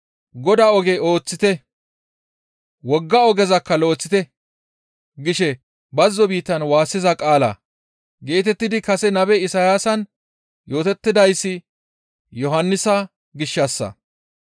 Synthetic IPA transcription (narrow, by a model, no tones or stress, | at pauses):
ɡɔd̪aːɔɡɛo̞ːt͡sːɪt̪ɛ | wɔɡːɐɔɡɛzɐkːɐlo̞ːt͡sːɪt̪ɛ | ɡɪʃɛ | bɐzːɔbiːt̪ːɐnwaːsːɪzɐkʼaːlɐ̰ | ɡe̞ːt̪ɛt̪ːɪd̪ɪkɐsɛnɐbɛɪsajaːsɐn | jo̞ːt̪ɛt̪ːɪd̪ɐjsːɪ | jɔɦɐnːɪsɐ | ɡɪʃːɐsːɐ̰